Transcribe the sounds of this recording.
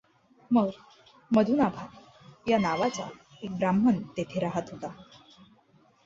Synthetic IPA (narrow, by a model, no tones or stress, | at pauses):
məɡ | məd̪ʱunabʱat̪ | janaʋat͡sa̰ | ek̚bɾamənt̪et̪ʰeɾaɦət̪ɦot̪a